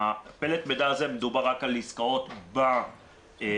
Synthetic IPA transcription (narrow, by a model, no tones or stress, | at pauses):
apelet̪med̪aazemed̪ubaʁːakaliskao̞t̪ba | e